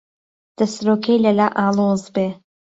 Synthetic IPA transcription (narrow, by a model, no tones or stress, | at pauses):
d̪̥ɐsɾoːkʰejlɐlaːʔaːlozbe